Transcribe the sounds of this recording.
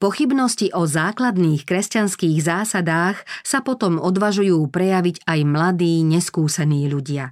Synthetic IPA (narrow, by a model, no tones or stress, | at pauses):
pɔxibnɔsciʔɔzaːklad̪niːxkɾɛscanskiːɣzaːsad̪aːxsapɔt̪ɔmɔd̪ʋaʒujuːpɾɛjaʋiɟajmlad̪iːɲɛskuːsɛniːʎuɟɪa